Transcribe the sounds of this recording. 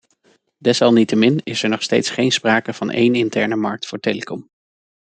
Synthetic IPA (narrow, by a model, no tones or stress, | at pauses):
dɛsɑlˠnitəmɪnɪsɛɹnɔχstejtsχejnspraːkəv̥ɑnʔḛjnɪntɛɹnəmɑ̰ɹk̚tfʊːɹteːləkɔm